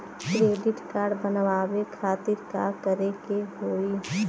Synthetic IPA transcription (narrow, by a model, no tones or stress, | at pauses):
kɾeːɖɪʈkaːɾɖbənʋaːwekʰaːt̪ɪɾka̰kəɾekeɦoːi